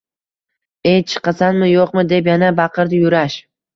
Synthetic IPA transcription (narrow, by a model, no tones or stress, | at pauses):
ejt͡ʃʰɨ̥qɑsanmɪjoqmɪd̪e̞pjanabɑqʰɨɾd̪ɪjʊɾaʃ